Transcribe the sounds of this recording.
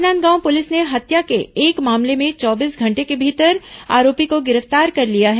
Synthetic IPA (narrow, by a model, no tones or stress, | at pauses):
naːnɡãːwpʊlɪsneɦɐt̪jakeːkmaːmlemẽt͡ʃɔːbiːsɡʱɐ̃ɳʈekebʱiːt̪əɾa̰ːɾoːpikoɡɪɾəft̪aːɾkɐɾlijaɦɛː